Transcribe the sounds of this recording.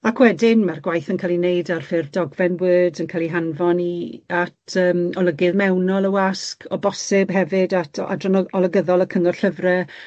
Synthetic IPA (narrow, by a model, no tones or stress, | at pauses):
akʰwɛdɪnmarɡwajθənkʰaːlˠinejdarfɪrvdɔɡvɛnwəːdənkʰaːlˠiɦanvɔniatʰəːmɔləɡɨðmɛwnɔlˠəwaskʰɔbɔsɪb̥ɦɛvɨdatʰa̰drɔnɔɔlˠəɡəðɔlˠəkʰəŋɔ̥ɬəvrɛ